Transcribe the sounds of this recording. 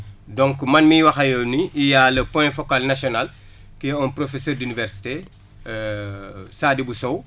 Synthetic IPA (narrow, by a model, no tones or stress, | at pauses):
dɔ̃ŋkmɐnmiwɐxɐjoniʔːjalːɐpɔjfɔkalnasɔnal | kiɔnpɾofesørdinivɛɾsi̥te | saːdibusɔw